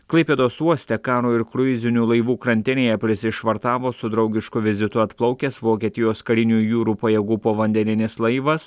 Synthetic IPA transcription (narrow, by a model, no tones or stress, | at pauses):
klˠɐɪpʲeːd̪oːsuɔsʲt̪ʲɛkɑːɾoːɪɾkɾʊɪzʲɪnʲuːlˠɐɪʋuːkɾɐnʲt̪ʲɪnʲeːjɛpʲɾʲɪsʲɪʃʋɐɾt̪ɑːʋoːsʊd̪ɾɒʊɡʲɪʃkʊʋʲɪzʲɪt̪ʊɐt̪plˠɒʊkʲɛsʋoːkʲiɛt̪ʲɪjoːskɐɾʲɪnʲuːjuːɾuːpɐjɛːɡuːpoːʋɐnʲd̪ʲɛnʲɪnʲɪslˠɐɪʋɐs